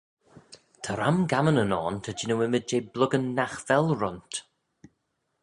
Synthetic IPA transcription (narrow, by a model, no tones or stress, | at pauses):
tʰəɾamɡamənənɔːntʰəd͡ʒɪnəwɪməd͡ʒeːblʊɡənːaxv̥ɛlˠɹʊnt